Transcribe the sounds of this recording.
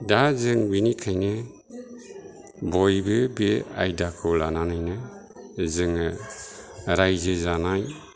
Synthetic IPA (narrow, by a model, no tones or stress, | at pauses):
dazɯŋbinikʰajnɯ | bɔjbɯbea̰jdakʰɯlananajnɯ | zɯŋɯ | ɾajzɯzanaj